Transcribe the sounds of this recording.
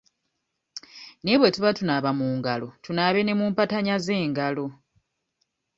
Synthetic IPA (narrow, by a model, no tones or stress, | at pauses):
ne̞βwetuβatunaβamuːŋɡalo̞tunaːβe̞ne̞muːmpataɲaze̞ːŋɡalo̞